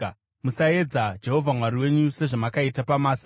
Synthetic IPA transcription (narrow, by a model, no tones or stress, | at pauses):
musae̞d͡zad͡ʒe̞ɦo̞vʱamwaɾiwe̞ɲuse̞ʐamakaitapamaːsa